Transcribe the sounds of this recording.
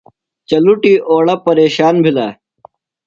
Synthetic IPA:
t͡ɕɐluʈiːʔoːɭɐpɐɾeːɕaːnbʱilaː

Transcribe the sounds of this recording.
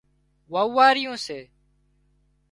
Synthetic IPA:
ʋaːʋaːɾɪjũːseː

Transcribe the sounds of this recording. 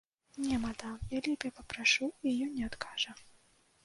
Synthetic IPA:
nʲɛmɐd̪ajalʲibʲɛpɐpɾaʂuijɔnʲɛat̪kʰaʐɐ

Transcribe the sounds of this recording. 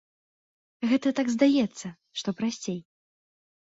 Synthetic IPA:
ɣɛt̪ɐt̪aɡzd̪ajɛt̪sːɐ | ʂt̪ɔpɾasʲt͡sʲej

